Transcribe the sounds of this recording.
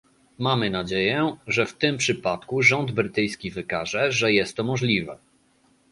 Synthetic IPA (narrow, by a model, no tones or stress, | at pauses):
mamɘnad͡ʑejɛʐɛft̪ɘmpʂɘpat̪kuʐɔnd̪bɾɘt̪ɘjskʲivɘkaʐɛʐɛjɛst̪ːɔmɔʐlʲivɛ